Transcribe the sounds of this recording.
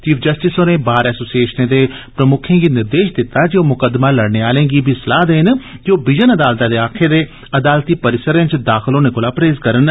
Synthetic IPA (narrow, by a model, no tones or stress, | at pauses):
t͡ʃiːfʰd͡ʒəsʈɪsoːneːbaːɾɛːsoːsieːʃnẽːd̪eːpɾəmʊkʰẽːɡiːnɪɾd̪eːʃd̪ɪt̪ːaːd͡ʒioːmʊkəd̪maːləɽneːaːlẽːɡiːbʱiːsəlaːd̪eːnd͡ʒoːbɪd͡ʒənəd̪aːlt̪ãːd̪eːaːkʰeːd̪eː | əd̪aːlt̪iːpəɾɪsəɾẽːt͡ʃd̪aːxʰɪloːneːkoːlaːpɾeːzkəɾən